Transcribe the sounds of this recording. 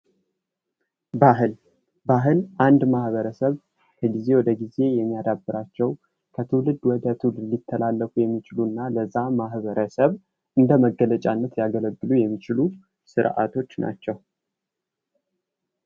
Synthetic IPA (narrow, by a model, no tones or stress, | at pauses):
baɦɨl | baɦɨlʔand̪mahβəɾəsəβ | kʰəɡize̞wɔd̪əɡize̞jɛmːijad̪abːɨɾat͡ʃːɛw | kʰət̪ʰɨwlɨd̪wɔd̪ət̪ʰɨwlɨd̪lit̪ʰːəlalːəkujɛmːit͡ʃɪlunːaləzːamahβəɾəsəβ | ʔɨnd̪əməɡːələt͡ʃʼanːət̪jaɡələɡːɨlujɛmːit͡ʃɪlu | sɨɾʔa̰t̪ʰo̞t͡ʃːna̰t͡ʃːɛw